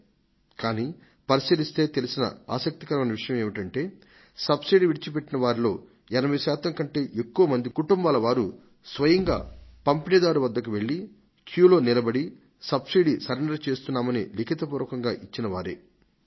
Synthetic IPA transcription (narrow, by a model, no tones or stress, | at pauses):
kaːniː | pɐɾisilist̪e̞ːt̪elisinɐ̰aːsɐk̚t̪ikɐɾɐmɐnɐʋiʂɐjɐmeːʋiʈɐɳʈe̞ː | sɐbsiɖiʋiɽit͡ʃip̬e̞ʈːinɐʋaːɾilo̞ː | ɛnɐbɐj̪usaːt̪ɐŋkɐɳʈe̞ːʔekːuʋɐmɐnd̪ikuʈumbaːlɐʋaːɾu | sʋɐjɐŋɡa̰ːpɐmpinɛd̪aːɾuʋɐd̪ːɐkuʋe̞ɭːi | kʰjuːlo̞ːnilɐbɐɽi | sɐbsiɖisɐɾeɳɖɐɾt͡ʃe̞ːst̪unːaːmɐnḭlikʰit̪ɐpuːɾʋɐkɐŋɡaːʔit͡ʃːinɐʋaːɾḛː